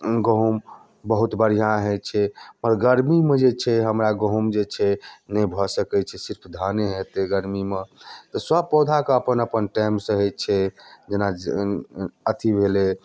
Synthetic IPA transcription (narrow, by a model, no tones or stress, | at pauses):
ɡəɦum | bəɦut̪bəɽ̤ijãɦɛt͡ʃʰɛməɾɡəɾmimed͡ʒet͡ʃʰɛɦəmɾaɡəɦumd͡ʒet͡ʃʰɛnəbʱɔsəkɛt͡ʃʰɛsiɾpʰd̪ʱaneɦet̪eɡəɾmimet̪ɔsəb̚pɔd̪ʱakəəpənəpənʈaɪmsə̃ɦɛt̪̚t͡ʃʰɛd͡ʒena | ət̪ibʱele